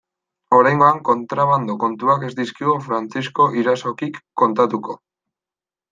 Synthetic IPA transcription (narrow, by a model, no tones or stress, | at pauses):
o̞ɾajŋɡo̞aŋko̞nt̪ɾaβand̪oko̞nt̪uake̞zd̪iskiɣufɾant͡sisko̞ʔiɾaso̞kikːo̞nt̪at̪uko̞